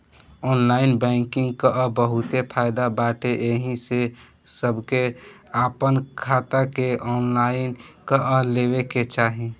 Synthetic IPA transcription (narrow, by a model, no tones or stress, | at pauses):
ɔːnlaːɪnbɛ̃ːŋkɪ̃ŋɡkaʔəbəɦʊt̪epʰaːɪd̪abaːʈeʔeɦĩse | səbʱkeaːpənkʰaːt̪akeʔɔːnlaːɪnkaʔəleːweket͡ʃaːɦe